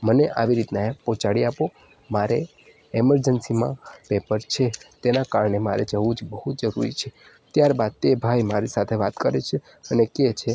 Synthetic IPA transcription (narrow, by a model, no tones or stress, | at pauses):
məneʔaʋiɾit̪naepɔ̃t͡ʃaɽiapo | maɾe | ɛməɾd͡ʒənsimã̰pepəɾt͡ʃʰet̪enakaɾɳema̰ɾed͡ʒəʋũd͡ʒbəɦut̪d͡ʒəɾṵɾḭt͡ʃʰe | t̪jaɾbad̪̚t̪ebʱajmaɾisat̪ʰeʋat̪kəɾet͡ʃʰe | əneket͡ʃʰe